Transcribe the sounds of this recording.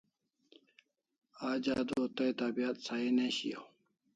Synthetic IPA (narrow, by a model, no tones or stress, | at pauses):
aːd͡ʑaːd̪ot̪ɐjt̪abijat̪saineɕḭjo̰